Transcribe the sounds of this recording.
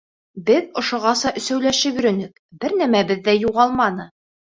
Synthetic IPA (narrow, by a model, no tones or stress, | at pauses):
bɘðŏʃŏʁɑsɑʔɵ̆sæwlæʃɘjɵ̆ɾɵ̆nɘk | bɘɾnæmæbɘðːæjuʁɑlˠmɑnɤ